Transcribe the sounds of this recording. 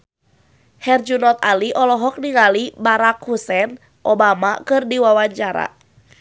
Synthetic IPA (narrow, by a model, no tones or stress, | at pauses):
hɛrd͡ʒunɔt̪̚aliʔɔlɔɦɔk̚niŋalibaɾakhusɛn | ʔɔbamakɨrdiwawaɲt͡ʃaɾa̰